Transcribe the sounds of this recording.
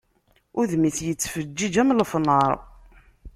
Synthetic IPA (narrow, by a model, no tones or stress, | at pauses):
ʊðmiθjət͡sːfəd͡ʒːid͡ʒæmləfnəɾˤ